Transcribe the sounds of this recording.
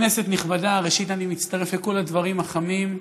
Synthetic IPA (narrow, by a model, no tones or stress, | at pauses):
nese̞t̪niχbadaʁeʃit̪animitt͡st̪aʁe̞fleko̞ladvaʁimaχamim